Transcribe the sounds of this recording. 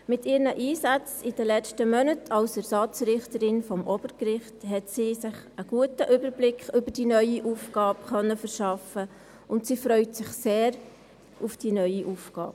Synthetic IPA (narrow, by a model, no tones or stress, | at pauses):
mɪtiːɾnəʔiːsɑt͡sid̥ɛlɛstəmœnətʰɑwsɛɾsɑt͡sɾɪχtəɾɪnfɔmʔɔb̥əɾkɾɪχthɛtsiːsɪχ | əɡ̥uətəʔʏbəɾblɪkχʏbəɾd̥inœʏiʔuːfɡ̥ɑːpχœnːəfəɾʃɑfə | ʊntsiːfɾœʏtsɪχseːɾ | ʔufd̥inœʏiʔufɡ̥ɑ̰ːb